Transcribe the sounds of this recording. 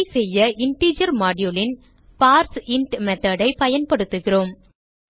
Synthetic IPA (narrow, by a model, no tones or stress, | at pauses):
ɪsɛjːɐɪɳʈiːd͡ʒɐɾmaːɖɪjulɪn | paːɾsɪɳʈmɛt̪ːɐɽɐɪpɐjɐnpɐɽɯt̪ːɯɣɪroːm